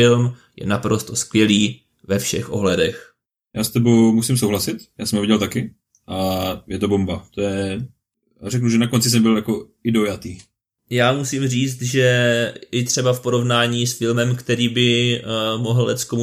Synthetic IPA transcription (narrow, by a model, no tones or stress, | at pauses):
ɪlmjɛ̰napɾost̪oskvjɛliː | vɛfʃɛ̰xʔo̞̰ɦlɛdɛx | jaːst̪ɛbowmusimsowɦlasɪt̪jaːsɛmɦovɪɟɛlt̪akɪ | ʔajɛt̪obombat̪ojɛ | aɾɛknuʒɛnakont͡sɪs̬ɛmbɪljako | ɪdo̞jat̪iː | jaːmusimriːt͡st̪ʒɛʔɪt̪r̝̥ɛbafpo̞ɾo̞vnaːɲiːsfɪlmɛmkt̪ɛɾiːbɪ | mo̞ɦl̩lɛt̪skomu